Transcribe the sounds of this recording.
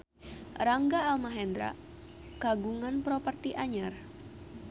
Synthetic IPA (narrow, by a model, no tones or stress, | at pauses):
raŋɡaːlmaɦɛnd̪ɾa̰ | kaɡuŋanpɾopərt̪iʔaɲar